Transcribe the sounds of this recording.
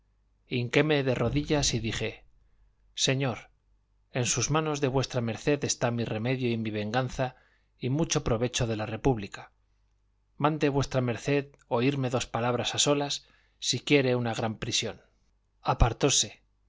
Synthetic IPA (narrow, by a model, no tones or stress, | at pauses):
iŋke̞me̞ðe̞ro̞ðiʎasiðixe | se̞ɲo̞ɾ | e̞nsuzmãno̞zðe̞βwe̞st̪ɾame̞ɾθe̞ðe̞st̪amire̞me̞ðjoimiβ̞e̞ŋɡanθa | imut͡ʃo̞pɾo̞βe̞t͡ʃo̞ðe̞lare̞puβlika | mãnd̪e̞βwe̞st̪ɾame̞ɾθe̞ð | o̞iɾme̞ðo̞spalaβ̞ɾasaso̞lasː | ikje̞ɾe̞unaɣ̞ɾampɾisjo̞n | apaɾt̪o̞se̞